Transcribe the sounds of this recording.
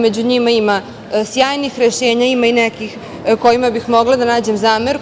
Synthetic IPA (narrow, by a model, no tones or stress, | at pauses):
med͡ʑuɲimaima | sjaːjnixɾeʃeːɲaimainɛkix | ko̞jimabixmo̞ɡlad̪anaːd͡ʑemzaːmeɾu